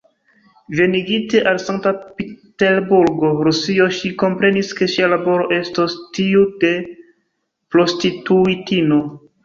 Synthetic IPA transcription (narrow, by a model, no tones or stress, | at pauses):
ve̞niɡite̞ʔalsaŋktapite̞ɾbuɾɡo̞ɾusio̞ʃiko̞mpɾe̞niske̞ʃialabo̞ɾo̞ʔe̞stostiude̞ | pɾo̞stituitino̞